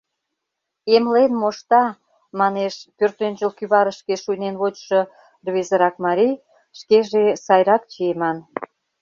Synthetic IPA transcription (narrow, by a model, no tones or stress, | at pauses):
emlenmoʃt̪ɑ | mɑneʃpørt̪ønʲd͡ʑəlkyβɑɾəʃkeʃujnenβot͡ɕʃo | rβezəɾɑk̚mɑɾij | ʃkeʒesɑjɾɑk̚t͡ɕiemɑn